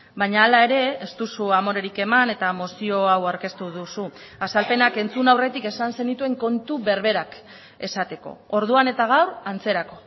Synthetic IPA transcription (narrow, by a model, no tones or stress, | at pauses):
baɲaːlae̞ɾe̞ːst̪usuamo̞ɾe̞ɾike̞mane̞t̪amo̞sio̞awawɾke̞st̪uðusuasalpe̞nake̞nt͡sunawre̞t̪ike̞sanse̞nit̪ue̞ŋko̞nt̪uβe̞ɾβe̞ɾak | e̞sat̪e̞ko̞̰o̞ɾðuane̞t̪aɣ̞awɾant͡se̞ɾako̞